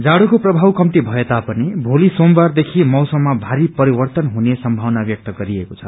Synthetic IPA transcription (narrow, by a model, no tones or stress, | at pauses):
d͡zaɽukoprʌbʱawkʌmt̪ibʱʌet̪apʌnibʱolisombard̪ekʰimʌwsʌmːabʱaɾipʌɾibʌrt̪ʌnɦunesʌmbʱawnabjʌk̚t̪ʌɡʌɾiekot͡sʰʌ